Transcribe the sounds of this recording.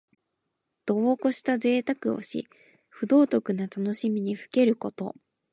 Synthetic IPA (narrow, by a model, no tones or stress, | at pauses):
d̪̥o̞ːko̞ɕi̥t̪aze̞ːt̪akɯ̟o̞̰ɕḭ | ɸɯ̟d̪o̞ːt̪o̞kɯ̟nat̪ano̞ɕimʲiɲ̟iɸɯ̟̥ke̞ɾɯ̟ko̞t̪o̞̰